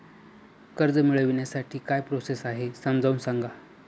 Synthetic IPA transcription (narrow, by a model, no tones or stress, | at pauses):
kəɾd͡zəmiɭəʋiɳjasaʈʰiːkajpɾosesaɦesəmd͡zauːnsaŋɡa